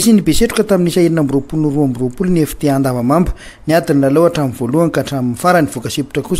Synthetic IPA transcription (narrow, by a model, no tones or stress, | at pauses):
isinibeseʈ͡ʂu̥kət̪aminisaiɾinambropulunuruambiropulunefi̥t̪eand̪avəmambə̥ | niad̪ininalowaʈ͡ʂaminvoluaŋkaʈ͡ʂaminifaɾəniv̥ukasipi̥ʈ͡ʂəkus